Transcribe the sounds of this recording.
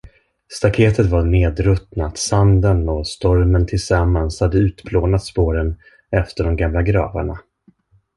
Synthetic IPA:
st̪akʰeːt̪ət̪vaɾɳeːd̪ɾɵt̪nat̪sand̪ənɔst̪ɔɾmənt̪ʰɪlsamːanshad̪ːəʉ̟ːt̪bʰloːnat̪spoːɾən | ɛft̪əɖɔmɡamlaɡɾɑ̰ːva̰ɳa

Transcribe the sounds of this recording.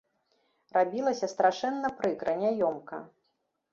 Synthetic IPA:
rabʲilˠɐsʲɐst̪ɾaʂɛnːɐpɾɨkɾɐnʲajɔmkɐ̰

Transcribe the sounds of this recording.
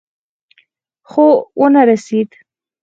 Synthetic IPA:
xowʔənaɾased̪

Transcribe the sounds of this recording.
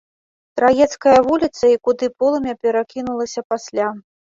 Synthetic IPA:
t̪ɾajɛt̪skɐjɐvulʲit̪sɐikud̪ɨpɔlˠɐmʲɛpʲɛɾakʲinulˠɐsʲɐpasʲlʲa

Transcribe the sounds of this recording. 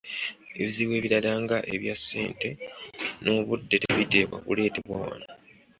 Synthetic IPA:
e̞βiziːβwe̞ːβiɾalaːŋɡaʔeβjasːe̞̰ːnte̞no̞βudːeteβite̞βwa̰βṵle̞ːteβwawa̰na

